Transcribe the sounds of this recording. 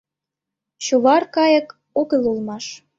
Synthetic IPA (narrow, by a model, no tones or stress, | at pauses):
t͡ɕuβɑrkɑjə̆k | oɣəlulmɑʃ